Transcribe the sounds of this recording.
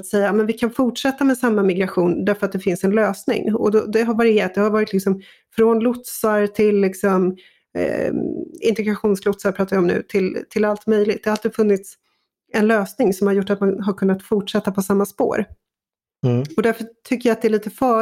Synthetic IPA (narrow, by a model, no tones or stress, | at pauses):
t̪sɛjːamɛnvɪkʰanfʊʈʂɛt̪ːamɛsamːamɪɡɾaɧuːnd̪æɾfœɾat̪̚d̪ɛfɪnsɛnløːsnɪ̰ŋɔ̰d̪ɔd̪ɛɦaɾvaɾɪjeːɾat̪̚d̪ɛhaɾvɑːɾɪt̪lɪksɔm | fɾɔnlʊt̪saɾt̪ʰɪlːɪksɔm̰ | ɪ̰nt̪ɛɡɾaɧuːnslʊt̪saɾpʰɾɑːt̪avɪɔmnʉ̟̰ːt̪ʰɪlt̪ʰɪlalt̪mœjlɪɡt̪̚d̪ɛhaalt̪iːd̪əfɵnːɪt̪s | ɛnløːsnɪŋsɔmhaɾjʊʈːat̪manɦaɾkʰɵnːat̪fʊʈʂɛt̪ːapʰɔsamːaspo̰ːɾ | ɔd̪æɾfœʈʰʏkːəɾjaat̪̚d̪ɛæɭiːt̪əfœː